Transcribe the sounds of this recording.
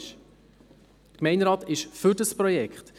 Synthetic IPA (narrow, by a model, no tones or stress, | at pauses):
ʃ | dəkmɛɪnɾɑːtɪʃfʏɾdəspɾɔjɛkχt